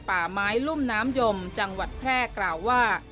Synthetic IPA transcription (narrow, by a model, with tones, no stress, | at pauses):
paː˨˩maː˦˥jlu˥˩mnaː˦˥mjo˧mt͡ɕa˧ŋwa˨˩t̪̚pʰɾɛː˥˩klaː˨˩wːaː˥˩